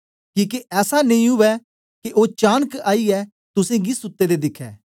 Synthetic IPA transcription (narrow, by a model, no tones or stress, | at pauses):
kĩːkiʔɛːsanɐ̃ĩɦʊʋɛː | keʔoːt͡ʃaːnəkaːiɛː | t̪ʊsẽɡɪsʊt̪ːed̪eːd̪ɪkʰɛ̰ː